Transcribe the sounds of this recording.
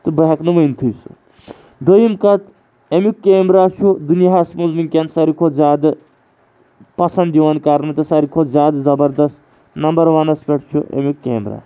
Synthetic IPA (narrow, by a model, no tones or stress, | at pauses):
t̪ɨbɐɦɐknɨʋɐnt̪ʰɨsṵ | d̪əjimkɐt̪ | emukːeːmɾat͡ʃʰud̪unjaɦasmuzminkʲansɐɾikʰozaːd̪ | pɐsɐnd̪iʋɐnkaɾnɨt̪ɨsɐɾikʰozaːd̪zɐbɐɾd̪ɐst̪ | nɐmbɐɾʋɐnɐspʲeʈt͡ʃʰuʔḛmukːḛːmɾa̰ː